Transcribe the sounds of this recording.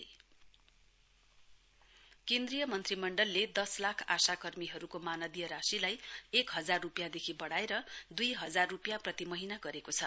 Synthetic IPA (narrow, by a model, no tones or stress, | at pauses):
kend̪rijʌmʌnt̪rimʌɳɖʌlːed̪ʌslakʰa̰sakʌrmiɦʌɾukomanʌd̪ijʌɾasilajekɦʌd͡zarːupjad̪ekʰibʌɽaeɾʌd̪ujɦʌd͡zarːupjaprʌt̪imʌɦinaɡʌɾekot͡sʰʌ